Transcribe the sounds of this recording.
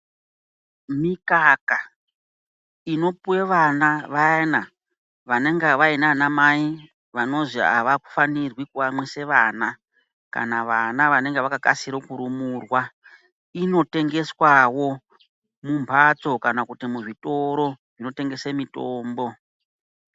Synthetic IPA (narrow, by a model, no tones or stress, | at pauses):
mikaka | ino̞puwe̞ʋanaʋaena | ʋane̞ŋɡeʋainanamai | ʋano̞ʐia̰ʋaku̥fanirwikuʋamwese̞ʋaːna | ka̰naʋanaʋane̞ŋɡeʋakakasiɾokuɾumurwa | ino̞te̞ŋɡe̞swawo̞ | mumbʰʱat͡so̞kanakutimuʐito̞ɾo̞ | ʐino̞te̞ŋɡe̞semitoːmbo̞